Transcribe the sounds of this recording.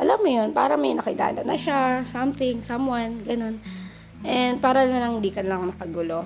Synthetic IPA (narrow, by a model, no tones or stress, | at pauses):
ʔɐlamːojonpa̰ːɾɐmɐjnɐkɪla̰ːlɐ̰nɐ̰ʃasɐmt̪ɪŋsɐmwanɡɐno̞n | ʔɛnd̪̚paːɾɐnɐlɐŋhɪnd̪iːkɐnlɐŋmɐkɐɡʊlo̞